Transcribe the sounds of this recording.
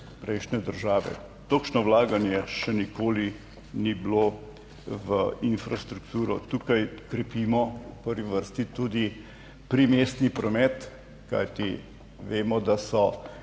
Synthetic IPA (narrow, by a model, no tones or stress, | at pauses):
pɾɛjʃnɛd̪əɾʒaːʋɛ̰ | t̪okʃnɔwlaːɡanjɛʃɛnikoːli | niblo | ʋəinfɾast̪ɾukt̪uːɾɔt̪uːkajkɾɛpimɔupəɾʋiʋəɾst̪it̪ud̪i | pɾimeːst̪nipɾɔmɛːt̪ | ka̰jt̪i | ʋeːmɔd̪asɔ